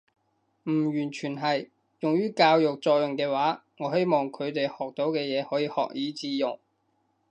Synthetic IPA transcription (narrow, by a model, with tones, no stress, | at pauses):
m̩˨˩jyː˨˩nt͡ʃʰyː˨˩nɦɐ˨j | jʊ˨ŋɥyː˥kaː˧wjʊ˨k̚t͡sɔː˧k̚jʊ˨ŋkɛː˧waː˨˥ŋɔː˨˧ɦe˥jmɔː˨˩ŋkʰɵ˨˧ɥt̪e˨jhɔː˨k̚t̪o˨˥wkɛː˧jɛː˨˧hɔː˨˥jiː˧hɔ̰ː˨k̚jiː˨˥t͡siː˧jʊ˨ŋ